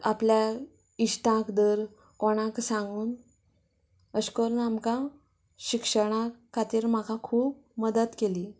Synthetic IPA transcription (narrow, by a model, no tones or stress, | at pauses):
aplja | iɕʈ̪ãkd̪əɾ | kɔɽ̃ãksãŋɡuːn | əskəɾuːnamka | ɕikʂəɽ̃akʰat̪iːɾm̤akakʰuːb̚ | məd̪ət̪keliː